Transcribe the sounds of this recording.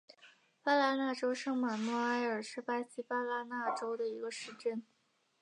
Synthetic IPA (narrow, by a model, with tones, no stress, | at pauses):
pa˥la˥na˥˩ʈ͡ʂo˥ʊʂɤ˥ŋma˨˩nwɔ˥a˥ɪə˞˨˩ʂɻ̩˥˩pa˥ɕi˥pa˥la˧˥na˥˩ʈ͡ʂo˥ʊd̪ə˨i˧˥ɡə˧ʂɻ̩˥˧ʈ͡ʂə˥˩n